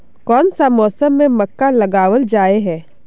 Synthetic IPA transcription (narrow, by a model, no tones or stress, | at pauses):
kɔːnsamɔːsəmːẽmɐkːalɐɡaːwəld͡ʒaːeɦɛ̃ː